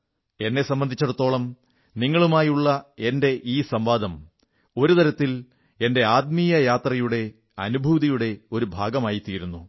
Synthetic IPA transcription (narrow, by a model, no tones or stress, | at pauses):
e̞nːe̞sɐmbɐnd̪ʱit͡ɕːɐɽut̪ːo̞ːɭɐm | niŋːɐɭumaːjuɭːɐe̞nde̞ʔiːsɐmbaːd̪ʱɐm | o̞ɾut̪ɐɾɐt̪ːil | e̞nde̞aːd̪̚mijɐjaːt̪rɐjuɽe̞ | ɐnubʱuːðɐjuɽe̞o̞ɾubʱaːɡɐmaːjit̪ːiːɾunːu